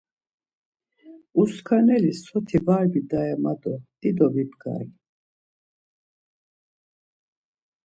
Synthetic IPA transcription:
uskʰanɛlisɔt̪ʰivaɾbid̪aɛmad̪ɔd̪̥id̪ɔvibɡa̰i

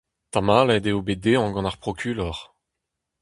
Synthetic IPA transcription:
t̪amalɛd̪eobed̪eɑ̃ɡɑ̃naʁpχɔkʰʲylɔʁ

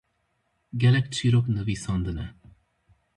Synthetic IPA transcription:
ɡʲɛlɛk̚t͡ʃʰiɾoknəvisɑnd̪ənɛ

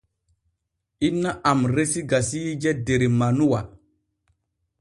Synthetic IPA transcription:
inːaʔamɾesiɡasijd͡ʒɛdeɾimanuwa

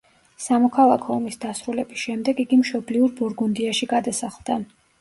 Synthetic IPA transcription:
samɔkʰalˠakʰɔɔmisd̪asɾulɛbisʃɛmd̪ɛɡiɡimʃɔbliuɾbuɾɡund̪iaʃiɡad̪asaχlˠd̪a

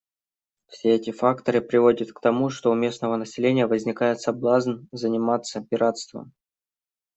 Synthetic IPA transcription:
fsʲeɛtʲɪfakt̪əɾɨpɾʲɪvo̞dʲət̪kt̪ɐmuʂt̪o̞ʊmʲe̞snəvənəsʲɪlʲenʲɪjəvəzʲnʲɪkajɪt̪sɐblˠaznzənʲɪmat̪sːəpʲɪɾʔat̪st̪və̰m

